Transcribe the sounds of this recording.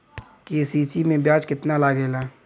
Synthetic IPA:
kesiːsimẽbjãːt͡ʃkɪt̪nalaɡeːla

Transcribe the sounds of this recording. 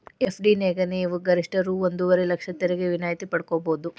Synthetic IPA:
epʰɖineːɡɐniːʋuɡɐɾiʂʈɐɾuond̪uʋɐɾelɐkʂɐt̪ɛɾeɡeʋinaːjt̪ipɐɽkoboːd̪u

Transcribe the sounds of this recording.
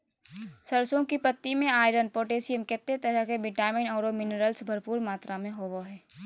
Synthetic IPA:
səɾsõkipət̪ːimẽaːɪɖənpoːʈeːsɪəmkɛːt̪ːet̪əɾəɦkebɪʈaːmɪnɔːɾomɪnəɾəlsbʱɐɾpuːɾmaːt̪ɾamẽɦoːʋoɦɛː

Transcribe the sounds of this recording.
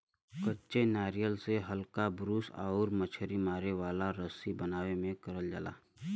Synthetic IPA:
kətːʃenaːɾijəlseɦəlkabɾuːsa̰ːʊɾmət͡ʃʰəɾimaːɾeʋaːlaɾəsibənaːʋemẽkəɾəld͡ʒa̰ːla̰ː

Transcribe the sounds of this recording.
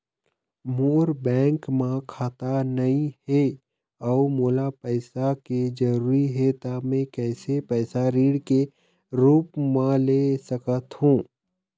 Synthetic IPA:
moːɾbɛ̃ːŋkmãkʰaːt̪anɐĩɦe | ɔːmoːlapɛɪsaked͡ʒɐɾuːɾiɦɛt̪amɛ̃kɛːsepɛːsaɾiːɽke | ɾuːpmãleːsəkət̪ɦũː

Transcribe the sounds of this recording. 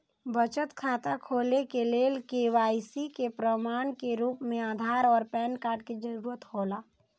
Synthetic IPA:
bət͡ʃət̪kʰaːt̪akʰoːlekeleːlkeʋaːjsikepɾəmaːɳkeɾuːpmẽaːd̪ʱaːɾɔːɾpɛːnkaːɾʈked͡ʒəɾuːɾət̪hoːlaː

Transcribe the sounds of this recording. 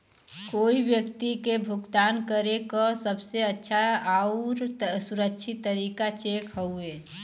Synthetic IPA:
koːibjəkt̪ikebʱʊɡt̪aːnkəɾekɔsəbseətːʃʰaaʊɾsuɾəkʃʰɪt̪ːəɾiːkat͡ʃeːkʰɦəue

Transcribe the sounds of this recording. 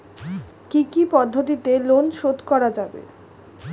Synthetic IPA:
kikipɔd̪ʱːot̪̬it̪elonʃod̪kɔɾad͡ʑabḛ

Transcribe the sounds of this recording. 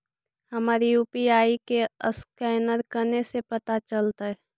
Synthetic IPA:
hɐmaːɾijuːpiaːikeəskɛːnəɾkənesepɐt̪at͡ʃəlt̪aɦɛ

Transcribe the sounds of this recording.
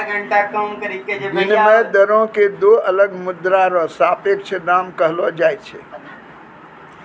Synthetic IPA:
ɡʱəɳʈakəmkəɾiked͡ʒeinmed̪əɾõked̪oələɡmud̪ɾaɾɔsapek̚t͡ʃʰɛd̪amkəɦlɔd͡ʒajt͡ʃʰɛ̰

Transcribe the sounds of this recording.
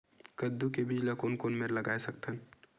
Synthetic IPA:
kəd̪ːukebid͡ʒlakoːnkoːnmeɾlɐɡaːesɐk̚t̪ən

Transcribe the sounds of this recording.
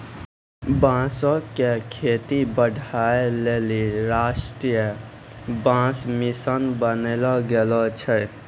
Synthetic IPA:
bãsɔkekʰet̪ibəɖʱaeleliɾasʈɾijə | bãsmisənbənelɔɡelɔt͡ʃʰəj

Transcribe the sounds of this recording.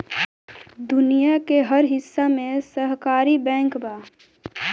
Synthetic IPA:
d̪unijakeɦəɾɦisːamẽsəɦkaːɾibɛ̃ːŋkba

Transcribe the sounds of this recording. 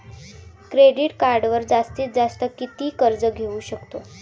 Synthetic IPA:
kɾeɖiʈkaɾɖʋəɾd͡zast̪iːt̪̚d͡zast̪əkit̪iːkəɾd͡zəɡʱeuɕəkt̪o

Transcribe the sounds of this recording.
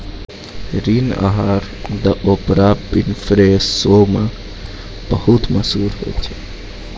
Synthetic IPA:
ɾina̰ɦaɾd̪aʔopɾapːinifɾesomə | b̥ɐhut̪umasuɾhḛt̪

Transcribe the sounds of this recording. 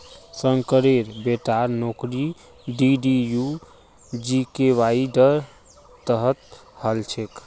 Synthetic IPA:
səŋkəɾeɾbeʈaɾnokɾi | ɖiɖiju | d͡ʒikeʋaiɖəɾ | əɦət̪həlt͡ʃʰek

